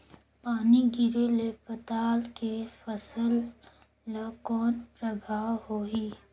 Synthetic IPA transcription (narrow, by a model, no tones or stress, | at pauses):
paːniɡɪɾelepɐt̪aːlkefəsəlː | akɔːnpɾəbʱaːwɦoːiː